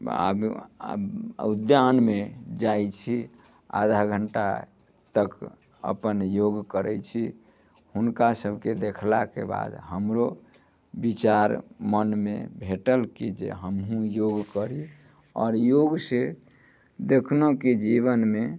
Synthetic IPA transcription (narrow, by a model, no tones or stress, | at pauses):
a̰b̰ | ud̪janmed͡ʒajt͡ʃʰi | a̰d̪ʱaɡʱəɳʈa̰ | t̪ək | ə̰pənjoɡkəɾɛt͡ʃʰi | hunkasəbʱked̪ekʰlakḛba̰d̪ɦəmɾo | bit͡ʃaɾmənmḛbʱeʈəlkid͡ʒḛɦəmɦũjoɡkəɾi | ɔ̰ːɾjoɡse | d̪ekʰnoked͡ʒiβənme